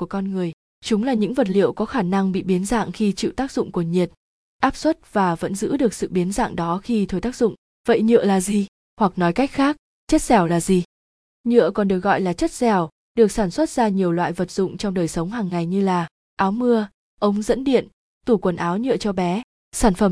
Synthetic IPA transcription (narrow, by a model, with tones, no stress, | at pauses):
ku˧˩əkɔ˧nŋɨ˨˩əj | t͡ɕʊ˨˦ŋ͡mlaː˨˩ɲɨ̰˧˥ŋvə˨˩t̚lḭ˧˨əwkɔ˨˦xaː˧˩na˧ŋɓḭ˧˨ɓi˨˦ənza̰ː˧˨ŋxi˧t͡ɕḭ˧˨wt̪aː˦˥k̚zʊ̰˧˨ŋ͡mku˧˩əɲi˨˩ət̚ | ʔaː˦˥p̚swə˦˥t̚vaː˨˩və̰˧˥nzɨ̰˧˥ɗɨ˨˩ək̚sɨ̰˧˨ɓi˨˦ənza̰ː˧˨ŋɗɔ˨˦xi˧t̪ʰo˨˩jt̪a˦˥k̚zʊ̰˧˨ŋ͡m | və̰˧˨jɲɨ̰˧˨əlaː˨˩zi˨˩ | hwa˨˩k̚nɔ˨˦jka˦˥jk̟̚xaː˦˥k̚ | t͡ɕə˦˥t̚zɛ˨˧˩wlaː˨˩zi˨˩ | ɲɨ̰˧˨əkɔ˨˩nɗɨ˨˩ək̚ɣɔ̰˧˨jlaː˨˩t͡ɕə˦˥t̚zɛ˨˩w | ɗɨ˨˩ək̚saː˧˩nswə˦˥t̚z̥aː˧ɲi˨˩əwlwa̰ː˧˨jvə˨˩t̚zʊ̰˧˨ŋ͡mt͡ɕɔ˧wŋ͡mɗəː˨˩jsə˨˦wŋ͡mɦaː˨˩ŋːa˨˩jɲɨ˧laː˨˩ | ʔaː˨˦wmɨ˧ə | ʔə˨˦wŋ͡mzə̰˧˥nɗḭ˧˨ən | t̪u˧˩kwə˨˩nʔaː˨˦wɲɨ̰˧˨ət͡ɕɔ˧ɓɛ˨˦ | saː˧˩nfə˧˩m